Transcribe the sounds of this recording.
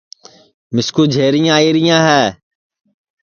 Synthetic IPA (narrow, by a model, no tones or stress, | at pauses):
mɪskuːd͡ʒʱeːɾɪjãːiːɾɪjãːɦɛː